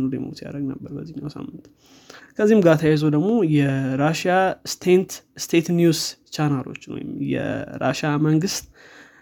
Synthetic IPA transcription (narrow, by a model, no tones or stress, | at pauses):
nulemot̪ja̰ɾəɡnəbːəɾbəzːihnːawsa̰mːɨnt̪ | kʰəzːihimɡat̪ʰajajzod̪əɡmo̞jɛɾaʃast̪ʰent̪st̪ʰet̪njust͡ʃanalo̞̰t͡ʃːno̰jɪ̰mjɛ̰ɾa̰ʃaməŋɡɨst̪